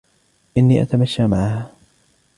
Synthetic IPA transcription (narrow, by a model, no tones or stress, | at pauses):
ʔɪnːiːʔa̰t̪amaʃːaːmaʕahaː